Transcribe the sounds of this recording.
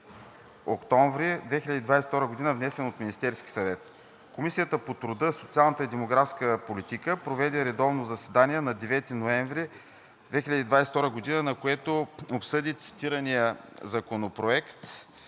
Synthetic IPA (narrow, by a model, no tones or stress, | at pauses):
okt̪ɔɱvɾid̪vɛxilʲəd̪iːd̪vajsɛt̪ɔɾəɡod̪inəvnɛsɛnot̪minist̪ɛɾski̥sɐvɛt̪ | komisijət̪əpot̪ɾʊd̪əsot̪sialˠnət̪əid̪ɛmoɡɾafskəpolit̪ikəpɾovɛd̪ɛɾɛd̪ɔvnozɐsɛd̪anʲiɛnɐd̪ɛvɛt̪inoɛ̃ɱvɾi | d̪vɛxilʲəd̪iːd̪vajsɛ̥t̪ɔɾəɡod̪inənɐkoɛt̪oopsɤd̪it̪si̥t̪iɾənijəzɐkonopɾoɛkt̪